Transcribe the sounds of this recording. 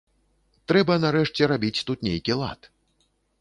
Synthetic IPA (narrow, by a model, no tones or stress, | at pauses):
t̪ɾɛbɐnaɾɛʂt͡sʲɛɾabʲit͡sʲt̪ut̪nʲejkʲilˠa̰t̪